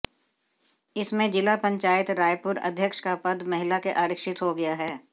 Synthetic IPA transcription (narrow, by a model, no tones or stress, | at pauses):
ɪsmẽd͡ʒɪlapɐ̃ɲt͡ʃaːɪt̪ɾaːjpʊɾɐ̰d̪ʱjəkʃkapɐd̪mɐɦɪlakeʔaːɾɪkʃɪt̪ɦoɡɐjaɦɛː